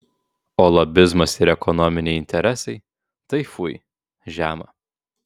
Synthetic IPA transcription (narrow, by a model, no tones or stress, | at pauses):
oːlˠɐbʲɪzmɐsɪɾɛkɔnɔmʲɪnʲɛɪɪnʲt̪ʲɛɾʲɛsʲɐɪ | t̪ɐɪfʊɪ | ʒʲæːmɐ